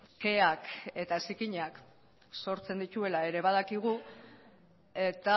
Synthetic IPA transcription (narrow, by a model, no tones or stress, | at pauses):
ke̞ake̞t̪asikiɲak | so̞ɾt͡se̞nd̪it̪ue̞lae̞ɾe̞βað̞akiɣ̞u | e̞t̪a